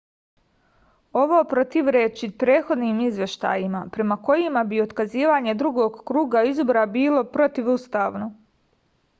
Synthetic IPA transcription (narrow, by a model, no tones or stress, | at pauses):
o̞ʋo̞pɾo̞t̪iʋɾeːt͡ʃipɾeːt̪xo̞d̪nimizʋje̞ʃt̪a̰ːjimapɾe̞mako̞jimabio̞t̪kaziːʋaɲe̞d̪ɾuɡoːɡkɾuːɡaizboɾabiːlo̞pɾo̞t̪iʋust̪aːʋno